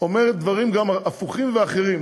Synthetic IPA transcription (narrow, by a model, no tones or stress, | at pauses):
ome̞ʁet̪̚dvaʁimɡamafuχimveaχe̞ʁim